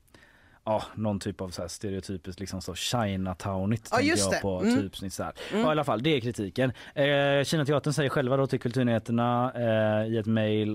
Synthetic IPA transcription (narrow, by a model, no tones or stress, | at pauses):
ɑːnɔnt̪ʰyːpavsɔæːʂt̪ɛɾɛʊt̪ʰyːpɪsk̪lɪksɔmsɔvɕajnat̪ʰaʊnɪt̪ʰːɛkəpʰɔt̪ʰyːpsnɪt̪sɔhæ̰ːɾɑːɪalːafald̪ɛæɾkʰɾɪt̪ʰiːkən | ɕiːnat̪ʰɛɑːt̪əɳsɛjːəɾɧɛlvad̪ɔt̪ʰɪlkʰɵlt̪ʉɾɳɪheːt̪əɳa | ɪɛt̪mɛjl